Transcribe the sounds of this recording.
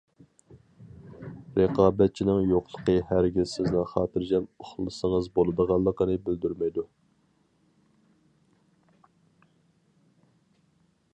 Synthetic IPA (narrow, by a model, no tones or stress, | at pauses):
ɾeqɑːbɛt̪̚t͡ʃʰinɪŋjoqlˠə̥qəhæɾɡʲizsɪznɪŋχɑːt̪ʰɨɾd͡ʒɛmoχlˠɨsəŋəzbolˠɨd̪əʁɑlˠːəqənɨbɪld̪yɾmɛjd̪u